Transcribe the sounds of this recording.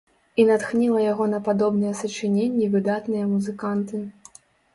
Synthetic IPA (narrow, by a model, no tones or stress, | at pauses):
inat̪xnʲilˠɐjaɣɔnɐpad̪ɔbnɨjɐsɐt͡ʂɨnʲenʲːivɨd̪at̪nɨjɐmuzɨkant̪ɨ